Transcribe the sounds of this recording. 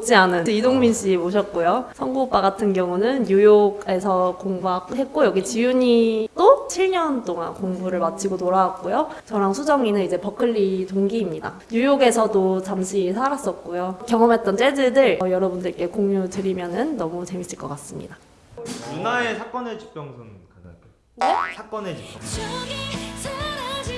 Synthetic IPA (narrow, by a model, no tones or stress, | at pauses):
t͡ɕ͈ianɯnidoŋminɕ͈ʰimoɕʰʌt̚k͈ojosʰʌŋɡop͈aɡatʰɯnɡjʌŋunɯnjujoɡe̞sʰʌkoŋbuɦaɡhe̞t̚k͈ojʌɡit͡ɕijuɲid͈ot͡ɕʰiɭɲʌnt͈oŋa̰nkoŋbuɾɯɭmat͡ɕ͈ʰiɡotoɾawak̚k͈ojot͡ɕʌɾaŋsʰud͡ʑʌŋinɯnid͡ʑe̞pʌkʰɯʎːitoŋɡiːmɲida̰ | ɲujoɡe̞sʰʌdot͡ɕamɕʰisʰaɾas͈ʌt̚k͈ojokjʌŋʌmɦe̞t̚t͈ʌnt͡ɕ͈e̞dɯdɯɭjʌɾʌbundɯɭk͈e̞koŋɲudɯɾimjʌnɯnːʌmut͡ɕe̞mit͡ɕ͈ʰiɭk͈ʌk͈as͈ɯmɲḭda | unae̞sʰak͈ʌne̞t͡ɕi̥p̚p͈jʌŋsʰon | nesʰak͈ʌnet͡ɕip̚jʌ